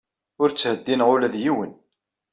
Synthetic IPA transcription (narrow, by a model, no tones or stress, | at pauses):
ʊɾt͡sːhəd̪ːinʁʊlæðjiwən